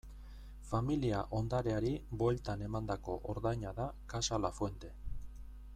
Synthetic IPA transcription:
familiaʔo̞nd̪aɾe̞aɾibo̞lt̪ane̞mand̪ako̞ʔoɾðajɲaðakasalafwe̞nt̪e̞

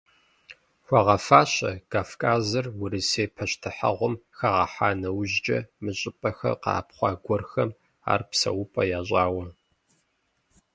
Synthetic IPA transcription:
xʷɑʁɐfaːɕɐ̰kʰaːfkʼaːzɐrwʊɾɨseːpʰɐɕtʰɨħɐ̰ʁʷʊmxɐʁɐħaːnɐwʑd͡ʒʼɐ̰mɨɕʼɪpʼɐxɐ̰qɑ̰ːpχʷɑːɡʷɔrxɐm | a̰ːrpsɐ̰wʊpʼɐjaːɕ̬ʼɑːwɐ

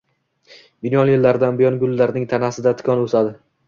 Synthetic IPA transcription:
mɪnjɒnjɪlːaɾd̪anbɪjɒnɡʊlːaɾnɪŋt̪ʰanasɪd̪at̪ʰɪ̥kʰɒnosad̪ɪ

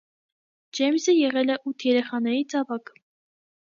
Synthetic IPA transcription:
d͡ʒɛmsəjɛʁɛlɛʔut̪ʰjɛɾɛχɑnɛɾit͡sʰɑvɑk

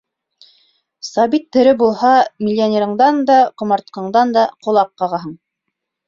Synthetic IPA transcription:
sɑbit̪ːɵ̆ɾɘbulˠhɑmʲɪlʲːɪonʲeɾɤ̆ɴd̪ɑnd̪ɑqŏmɑɾt̪̚qɤ̆ɴd̪ɑnd̪ɑqŏlˠɑqːɑʁɑɦɤɴ

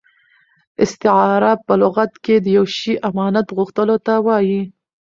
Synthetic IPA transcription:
ɪst̪ɪɑɾapəlʊɣat̪ked̪əjawʃiʔamɑnat̪ɣuxt̪əlot̪awɑji

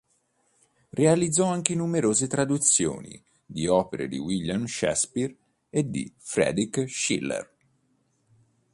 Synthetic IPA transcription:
realid̪zɔaŋkenumeɾoːzet̪ɾad̪ut̪sːjo̰ːnḭ | d̪iɔːpeɾḛd̪iwilːjamʃɛ̰spiɾ | ed̪ḭfɾɛ̰ːd̪ikʃḭlːḛr

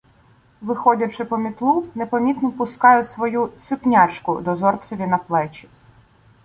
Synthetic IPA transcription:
ʋɪxɔdʲɐt͡ʃɪpɔmʲit̪lˠunepɐmʲit̪nɔpʊskɑjʊsʋɔjusɪpnʲat͡ʃkʊ̰d̪ɔzɔrsʲɐʋʲinɐplˠɛt͡ʃʲi̥

